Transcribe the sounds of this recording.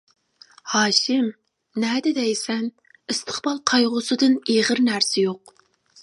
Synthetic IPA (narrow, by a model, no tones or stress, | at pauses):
hɑːʃɪm | nɛːd̪ɪd̪ɛjsɛn | ɨst̪ʰə̥χbɑlˠqʰɑjʁʊsɨd̪ɨneʁəɾnæɾsɪjoq̚